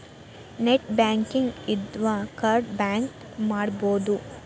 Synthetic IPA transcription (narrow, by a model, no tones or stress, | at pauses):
neʈbaːŋkiŋɡid̪ʋɐkaɾɖbaːŋk | maːɽboːd̪u